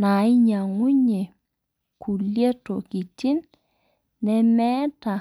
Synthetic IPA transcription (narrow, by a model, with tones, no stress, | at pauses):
na˨i˦ɲa˨ŋwu˦ɲe˨ | ku˨lje˦to˨ki˨ti˦nː | ɛ˦mɛ˦ta˨